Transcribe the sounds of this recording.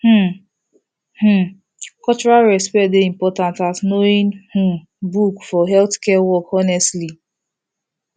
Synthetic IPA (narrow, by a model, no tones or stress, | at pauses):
h̩ | h̩ | kɔlt͡ʃɔɹalɹɛspɛtdeĩmpɔtãntasnoĩnh̩ | bukfɔɦɛltkɛwɔkɔnɛstli